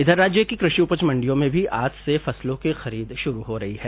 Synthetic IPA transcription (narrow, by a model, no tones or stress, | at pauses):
ɪd̪ʱəɾːaːd͡ʒjəkikɾɪʃiupət͡ʃmɐ̃ɳɖijõmẽbʱiʔaːt̪ʰsefɐslõkexɐɾiːd̪ʃʊɾuɦoɾɐɦiɦɛː